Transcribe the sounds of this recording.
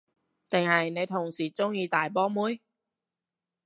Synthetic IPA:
t̪ɪ˨ŋhɐ˨jne˨˧jt̪ʰʊ˨˩ŋsiː˨˩t͡sʊ˥ŋjiː˧t̪aː˨˩jpɔː˥muː˥j

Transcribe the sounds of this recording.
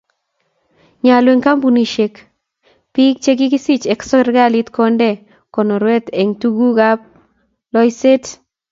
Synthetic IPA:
ɲa˨lwe˨ŋka˦mbu˨ni˨ʃe˨k | pi˦k̚t͡ʃe˦ɡ̬ɪ˦ki˦si˦t͡ʃe˨ksɔ˦ɾɡa˦lɪ˦tkɔ˦ndɛ˨ | kɔ˨no˨ɾwe˦t̪e˨ŋtu˦ɡu˦ɡa˦p̚ | lɔ˦jse˦t

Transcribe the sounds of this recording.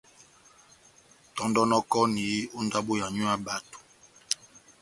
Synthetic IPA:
tɔ˨˦ndɔ˦nɔ˦kɔ˦ni˨˦o˦nda˦bo˦ja˨ɲu˦a˦ba˨to̥˨

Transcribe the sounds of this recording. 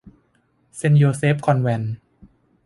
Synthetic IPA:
se˧njoː˧se˦˥p̚kʰɔ˧nwɛ˧n

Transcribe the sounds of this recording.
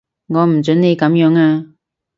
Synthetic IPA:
ŋɔː˨˧m̩˨˩t͡sɵ˨˥nne˨˧jkɐ˨˥mjœː˨˥ŋaː˧

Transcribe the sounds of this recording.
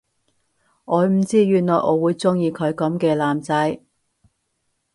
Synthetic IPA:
ʔɔː˨˧m̩˨˩t͡siː˥jyː˨nlɔː˨jʔɔ̰ː˨˥wuː˨˧jt͡sʊ˥ŋjiː˧kʰɵ˨˧ɥkɐ˨˥mkɛː˧laː˨mt͡sɐ˨˥j

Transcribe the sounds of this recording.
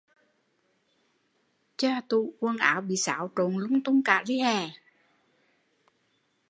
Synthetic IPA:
t͡ɕaː˧t̪u˧˨kwə˧nʔa̰ː˨˦wɓḭ˧˨sa̰ː˧˨˦wt͡ɕo˨˩nlʊ˧˦ŋt̪ʊ˧ŋ͡mka̰ː˧˨li˧˦hɛ˨˩

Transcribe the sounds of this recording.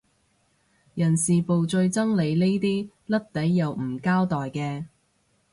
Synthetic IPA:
jɐ˨˩nsiː˨po˨wt͡sɵ˧ɥt͡sɐ˥ŋle˨˧jne˥jt̪iː˥ | lɐ˥t̚t̪ɐ˨˥jːɐ˨wm̩˨˩kaː˥wt̪ɔː˨˩jkɛː˧

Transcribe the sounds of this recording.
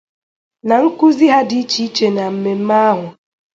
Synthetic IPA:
na˨ŋ̩˦ku˦zi˦ɦa˦di˦t͡ʃi˦i˦t͡ʃe˨na˨m̩˨me˨m̩˦ma˦a˦ɦʊ˨

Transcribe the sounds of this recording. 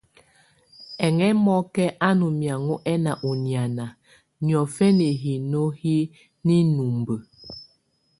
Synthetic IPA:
ɛ˨ŋɛ˦mɔ˦kɛ˦ʔa˦nu˨mja˨ŋu˦ʔɛ˦na˨ʔu˨nja˨na˨ | n˨ɔ˨fɛ˦ni˨ɦi˨no˦hi˦ | ni˦nu˨mbə˨

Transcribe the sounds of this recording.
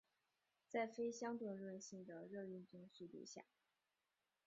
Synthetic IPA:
t͡sa˥˩ɪfe˥ɪɕjɑ˥ŋt̪wə˥˧nɻwə˥˧nɕi˥˩ŋd̪ə˩ɻɤ˥˧y˥˩nt͡si˥ŋɕy˥˧lḭ˥˧ɕja̰˥˩

